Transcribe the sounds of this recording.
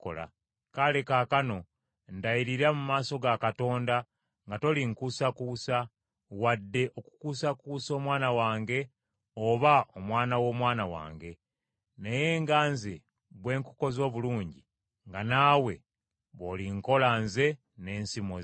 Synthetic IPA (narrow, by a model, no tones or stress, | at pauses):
ko̰la̰ | kale̞kaːkano̞ | ndajiɾiɾamumaːso̞ɡakato̞ːnda | ŋɡato̞liŋkusakuːsa | wadːe̞ʔo̞ku̥kuːsakuso̞ːmwaːnawaːŋɡe̞ | oβaomwaːnawo̞ːmwaːnawa̰ːŋɡe̞ | neje̞ːŋɡaːnze | βwe̞ːŋku̥ko̞zo̞ːβuluːɲɟi | ŋɡanaːwe̞ | βoliŋko̞lanze̞ | ne̞ːnsimo